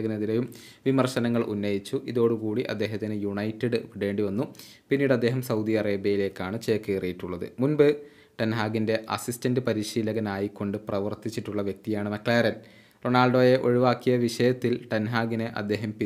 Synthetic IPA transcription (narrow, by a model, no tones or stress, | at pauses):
ɣɐneðilejum | ʋimɐrʂɐnɐŋːɐɭʔunːɐjit͡ɕːuʔiðo̞ːɽɨkuːɽiʔɐ̰d̪ːeːɦɐt̪ːinɨjuɳɐjtːɐɖɨʋiɽe̞ːɳɖiʋɐnːu | pinːiːɽɐd̪ːe̞ːɦɐmsɐwd̪iɐreːbjɐjile̞ːkːaːɳɨt͡ɕe̞ːkːeːrijiʈːuɭːɐðɨ̰munbɨ | ʈɐnɦaːɡinde̞ʔɐ̰sistɐndɨpɐɾiɕiːlɐɣɐnaːjikːo̞ɳɖɨprɐʋɐrt̪it͡ɕːiʈːuɭːɐʋjek̚t̪ijaːɳɨmɐklɭaːɾɐn | ro̞ɳaːlɖo̞ːje̞ʔo̞ɻiʋaːkːijɐʋiʂɐjɐt̪ːilʈɐnɦaːɡineʔɐd̪ːe̞ːɦɐmpi